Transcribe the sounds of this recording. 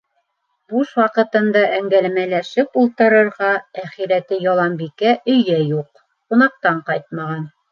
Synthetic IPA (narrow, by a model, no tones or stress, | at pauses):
buʃwɑqɤ̆t̪ɤ̆nd̪ɑʔæŋɡælmælæʃɘpulˠt̪ɤ̆ɾɤ̆ɾʁɑæχiɾæt̪ɘjɑlˠɑmbikæʔɵ̆jæjuq̚ | qunɑq̚t̪ɑɴqɑjt̪̚mɑʁɑn